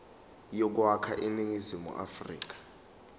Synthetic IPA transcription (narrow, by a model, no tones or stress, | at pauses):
jɔk̬wakʰaʔiniŋizimṵʔa̰frḭːk̬ḁ